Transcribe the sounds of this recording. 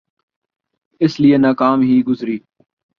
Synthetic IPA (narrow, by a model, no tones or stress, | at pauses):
ɪslieːnaːkaːmɦiːɡʊzɾiː